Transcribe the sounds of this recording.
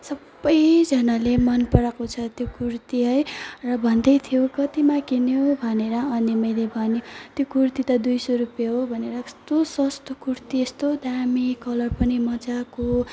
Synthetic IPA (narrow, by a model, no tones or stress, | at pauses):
sʌbːʌjd͡zʌnalemʌnpʌɾakot͡sʰʌt̪jokuɾt̪iɦʌjrʌbʱʌnd̪ʌjt̪ʰijokʌt̪imakinjobʱʌneɾʌʌnimʌjlebʱʌnjot̪jokurt̪it̪ʌd̪ujsoɾupjaɦobʱʌneɾʌst̪osʌst̪okurt̪iest̪od̪amikʌlʌrpʌnimʌd͡zako